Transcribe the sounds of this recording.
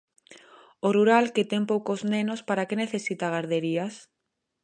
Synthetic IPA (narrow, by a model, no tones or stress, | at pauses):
oruɾalket̪eŋpowkoznenospaɾakeneθesit̪aɣ̞aɾðeɾias